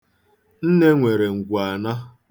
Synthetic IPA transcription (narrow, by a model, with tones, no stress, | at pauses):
n̩˦ne˦ŋʷe˨ɾe˨ŋ̩˨ɡʷu˨a˨na˦